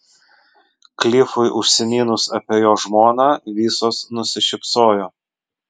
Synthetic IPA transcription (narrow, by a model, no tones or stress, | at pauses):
klʲɪfʊɪʔʊʃʲsʲɛmʲiːnʊsɐpʲeːjoːʒmoːnɑːʋʲiːsoːsnʊsʲɪʃʲɪpsoːjoː